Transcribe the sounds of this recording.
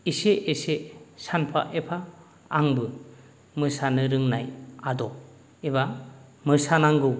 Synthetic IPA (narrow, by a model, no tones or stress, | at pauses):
iseʔːsesanpʰa̰ʔepʰaː | ŋbɯ | mɯsanɯɾɯŋnajadɔ | ebamɯsanaŋɡɯw